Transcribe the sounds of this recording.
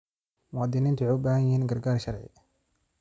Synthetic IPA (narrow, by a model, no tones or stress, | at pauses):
wɑːd̪iːniːnt̪ʰʊʕʊbaːhɐjhiːnɡɐɾɡaːɾʃɐɾʕɪ̰